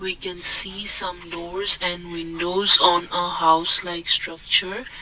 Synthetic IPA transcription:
wikɛ̃nsiːsʌ̃mɖɔːɾzɛ̃nɖwɪ̃nɖoːzɔ̃ːnəhaʊslaɪksʈɾʌk̚t͡ʃəɾ

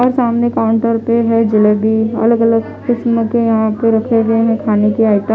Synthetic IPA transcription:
ɔːɾsaːmnekaːʊ̃ɳʈəɾpeɦɛd͡ʒɪlebiɐ̰ləɡələɡ | kɪsmkejɐɦãpeɾɐkʰeɡɐeɦɛ̃kʰaːnekiaːɪt̪a

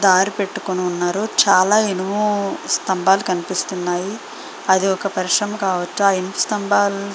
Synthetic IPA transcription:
d̪aːɾipe̞ʈːukoniunːaːɾut͡ʃaːlaːinumust̪ɐmbaːlukɐnipist̪unːaːji | ɐd̪iɔkɐpɐɾiʂɾɐmɐkaːʋɐt͡ʃːuaːinimust̪ɐmbaːlu

